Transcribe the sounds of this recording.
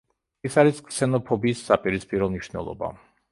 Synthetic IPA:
isaɾiskʼsɛnɔpʰɔbiːsːapʼiɾispʼiɾɔmniʃnɛ̰lˠɔ̰ba̰

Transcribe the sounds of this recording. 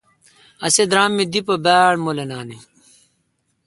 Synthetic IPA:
ɐsed̪ɾaːmːid̪ipɐbaːɽmolɐnaːni

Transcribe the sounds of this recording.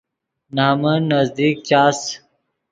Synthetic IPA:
naːmənɐzd̪iːk̚t͡ɕaːs

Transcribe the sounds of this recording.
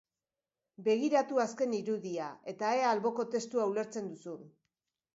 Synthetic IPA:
be̞ɣ̞iɾat̪uaske̞niɾuðiae̞t̪aealβo̞ko̞t̪e̞st̪uaule̞ɾt͡se̞nd̪usu

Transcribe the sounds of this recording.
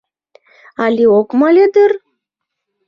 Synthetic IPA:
ɑlʲiokmɑlʲed̪ər

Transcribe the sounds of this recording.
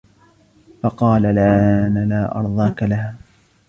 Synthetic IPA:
fɑqɑːlalʕaaːnalaːʔɑ̰ɾˤd̪ˤɑːkalahaː

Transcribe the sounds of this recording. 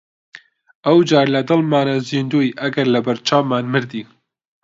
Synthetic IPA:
ɐwd͡ʒaːɾlɐd̪ɨlmaːnaziːnd̪uːjiʔɐɡɐɾlɐbɐɾt͡ʃʰaːmmaːnmɨɾd̪iː

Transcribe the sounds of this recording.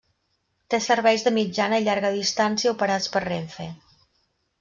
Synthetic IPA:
t̪esəɾβɛjzðəmid͡ʒanəiʎaɾɣəðist̪ansiəupəɾat͡spərreɱfe

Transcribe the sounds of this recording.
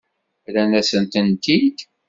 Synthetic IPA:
lænæsənt̪ənt̪id̪

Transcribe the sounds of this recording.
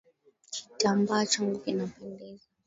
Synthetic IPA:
t͡ʃʰi̥tʼambat͡ʃʰaŋɡukinapʰɛndɛza

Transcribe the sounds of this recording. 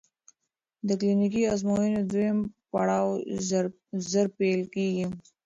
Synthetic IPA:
d̪əklinik̬iazmojined̪uempaɽaːw | zəɾpelkiɡim

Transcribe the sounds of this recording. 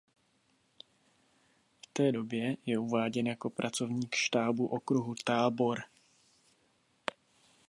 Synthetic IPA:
ft̪ɛːdo̞bjɛjɛuvaːɟɛnjako̞pɾʔat͡so̞vɲiːkʃt̪aːbuʔokɾuɦut̪aːbo̞ɾ

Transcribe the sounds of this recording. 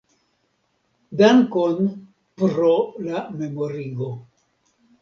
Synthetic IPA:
daŋkon | pɾolame̞mo̞ɾiɡo

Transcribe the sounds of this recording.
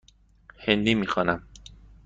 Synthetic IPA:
hend̪iːmiːxɒːnæm

